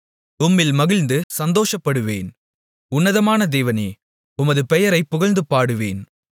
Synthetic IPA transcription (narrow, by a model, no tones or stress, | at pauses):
ʊmːɪlmɐɣɪlnd̪ɯsɐnd̪oːʂɐpːɐɽɯʋeːn | ʊnːɐðɐmaːnɐd̪eːʋɐneː | ʊmɐðɯpɛjɐɾɐɪpːʊɣɐɭnd̪ɯpːaːɽɯʋeːn